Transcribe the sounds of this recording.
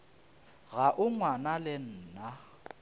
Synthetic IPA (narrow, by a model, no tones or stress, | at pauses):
ɣaʔʊŋwanalɪn̩ːna